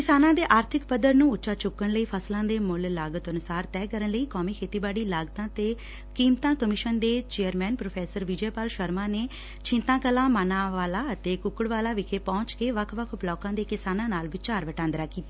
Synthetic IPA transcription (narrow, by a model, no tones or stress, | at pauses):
kɪsaːnãːd̪eːʔaːɾt̪ʰɪkpəd̪əɾnũːʊtːʃaːt͡ʃʊkːənləiːpʰəslãːd̪eːmʊllaːɡət̪ənʊsaːɾt̪ɛːkəɾənləiːkɔːmiːkʰeːt̪iːbaːɽiːlaːɡt̪ãːt̪eː | kiːmt̪ãːkəmɪʃənd̪eːt͡ʃeːəɾmɛːnpɾoːpʰɛːsəɾʋid͡ʒeːpaːlʃəɾmãːneː | t͡ʃʰɪ̃nt̪ãːkəlãːmaːnãːʋaːlaːət̪eːkʊkəɽʋaːlaːʋɪkʰeːpɔ̃ːt͡ʃkeːʋəkʰʋəkʰʊplɔːkãːd̪eːkɪsaːnãːnaːlʋɪt͡ʃaːɾʋəʈãːnd̪ɾaːkiːt̪aː